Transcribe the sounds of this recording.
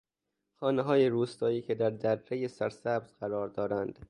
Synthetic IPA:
xɒːneɦɒːjeɾuːst̪ɒːiːcʰed̪æɾd̪æɾːejesæɾsæbz̥ɢæɾɒːɾd̪ɒːɾænd̪̥

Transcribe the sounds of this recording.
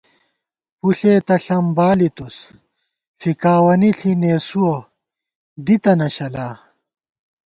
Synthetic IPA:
puɬeːt̪ɐɬɐmbaːlit̪us | fikaːwɐniɬʰineːsuo | d̪it̪ɐnɐɕɐlaː

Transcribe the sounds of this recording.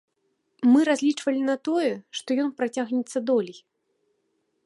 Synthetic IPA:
mɨɾazʲlʲit͡ʂvɐlʲinɐt̪ɔjɛʂt̪ɔjɔnpɾat͡sʲaɣnʲɛt̪sːɐd̪ɔlʲij

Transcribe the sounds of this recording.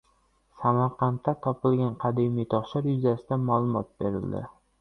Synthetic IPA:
samaɾqʰɑnt̪ːat̪ʰɒpɪlɡʲanqʰɑd̪emijt̪ʰɒχʃaɾjʊzasɪd̪amaːlˠʊmɒ̰t̪̚be̞ɾɪ̰ld̪ɪ̰

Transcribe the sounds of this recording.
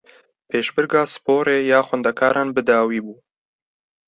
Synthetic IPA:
peʃbəɾɡɑspoːɾejɑːxwand̪akɑːɾʔɑːnbəd̪ɑːwiːbuː

